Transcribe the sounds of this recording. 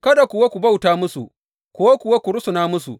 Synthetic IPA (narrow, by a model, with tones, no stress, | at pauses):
kɐ˦da˨kʷʊ˨wa˦kʷu˨ba˦wtaː˦mʊ˦sṵ˨ | kʷʊ˨wa˦kʷʊ˨wa˦kʷu˨ɽʊ˦sʊ˨naː˦mʊ˦sṵ˨